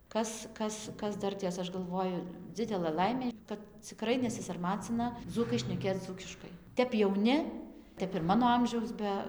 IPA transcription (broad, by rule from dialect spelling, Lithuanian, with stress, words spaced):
ˈkɐs ˈkɐs ˈkɐs ˈdɐrʲtʲeːs ˈɐʃ ɡɐlˠˈʋoːjʊ ˈd͡zʲɪdʲɛlˠɘ ˈlˠɐɪmʲeː kɐt t͡sʲɪˈkrɐɪ nʲɛsʲɪsɐrˈmɑːt͡sʲɪnɐ ˈd͡zuːkɐɪ ʃʲnʲɛˈkʲeːt͡s ˈd͡zuːkʲɪʃkɐɪ ˈtʲɛp jɛʊˈnʲɪ ˈtʲɛp ɪr ˈmɑːnoː ˈɐmʲʒʲɛʊs ˈbʲɛ